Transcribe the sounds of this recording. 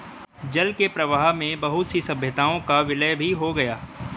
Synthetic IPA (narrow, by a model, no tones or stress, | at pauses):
d͡ʒɐlkepɾɐʋaːɦmẽbɐɦʊt̪sisɐbʱjət̪aːõkaʋɪləjbʱiɦoɡɐjaː